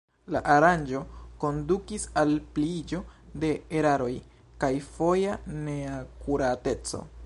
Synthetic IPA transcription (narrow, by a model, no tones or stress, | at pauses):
laʔaɾand͡ʒo̞ko̞ndukisalplid͡ʒo̞de̞ːɾaɾo̞j | kajfo̞jane̞akuɾate̞t͡so̞̰